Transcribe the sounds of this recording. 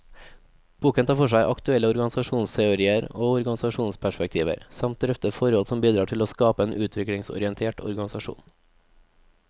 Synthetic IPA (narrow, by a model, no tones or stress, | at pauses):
b̥uːkənt̪ʰɑːfɔʂæɪʔɑkt̪ʉɛlːəɔɾɡɑnsɑʃuːnst̪ʰɛʊɾiːəɾoːɔɾɡɑnɪsɑʃuːnspʰæʃpɛk̚t̪ʰiːʋə̰ɾsɑmt̪̚d̪ɾɛft̪əfɔɾɔlsɔmbiːd̪ɾɑːʈʰɪloːskɑːpəeːnʔʉːt̪ʰʋɪkɽɪŋsɔ̰ɾɪɛnt̪ʰeːʈʰɔ̰ɾɡɑnɪsɑʃṵːn